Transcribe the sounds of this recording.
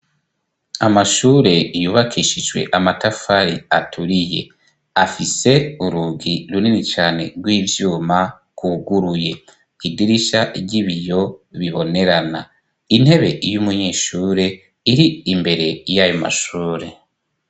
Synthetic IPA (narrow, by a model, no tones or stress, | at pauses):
amaʃuːɾe̞juːβakʰiʃid͡ʒwe̞̰ʔamatafaɾiatʰuɾije̞̰ | afise̞uɾuɡiɾuninit͡ʃaːne̞̰ɾɡwiːvjuːma | kuɡuɾuje̞ | idiɾiʃaʔiɟiβijo̞βiβo̞ne̞ɾana | in̥he̞βe̞̰ʔijumuɲeːʃuːɾe̞ | iɾiimbe̞ɾe̞jajo̞ma̰ʃuːɾe̞